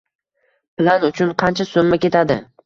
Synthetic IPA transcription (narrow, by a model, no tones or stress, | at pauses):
plˠanʊt͡ʃʰʊnqʰɑnt͡ʃʰasomːakʲe̞t̪ʰad̪ɪ̰